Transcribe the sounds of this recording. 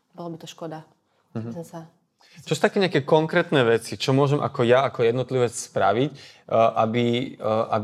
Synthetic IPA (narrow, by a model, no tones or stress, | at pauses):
bɔlabit̪ɔʃkɔd̪a | ɦa | t͡ʃɔsut̪akɛːɲɪakɛːkɔŋkɾɛːt̪nɛʋɛt͡sit͡ʃɔmʊɔʒɛmʔa̰kɔjaakɔjɛd̪nɔt̪liʋɛt͡sspɾa̰ʋic | ʔabiʔa̰